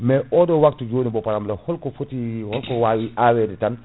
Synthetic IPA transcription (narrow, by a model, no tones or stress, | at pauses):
mɛʔɔːdɔwak̚tud͡ʒoːnibɔpaɾamlɛhɔlkɔfutihɔlkɔwawiʔaːwɛːditan